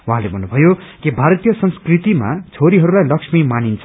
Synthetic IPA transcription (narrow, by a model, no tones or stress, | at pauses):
wuɦãlebʱʌnːubʱʌjokibʱaɾʌt̪ijʌsʌnskrit̪ima̰t͡sʰoɾiɦʌɾulajlʌkʂmimanint͡sʰʌ